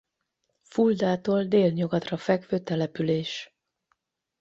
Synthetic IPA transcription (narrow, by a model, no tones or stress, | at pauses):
fuld̪aːt̪oːld̪eːlɲoɡɒt̪rɒfɛkʋøːt̪ɛlɛpyleːʃ